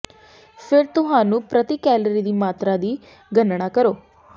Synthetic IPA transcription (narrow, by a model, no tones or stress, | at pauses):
pʰɪɾt̪ʊɦãːnũːpɾət̪iːkɛːləɾiːd̪iːmaːt̪ɾaːd̪iː | ɡənɳaːkəɾoː